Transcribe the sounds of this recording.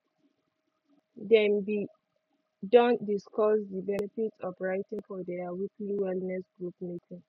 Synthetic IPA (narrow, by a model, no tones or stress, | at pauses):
dɛmbi | dɔ̃ndiskɔsdibɛnɛfitsɔvɹaɪtĩŋfɔdɛawikliwɛlnɛsɡɹupmekĩn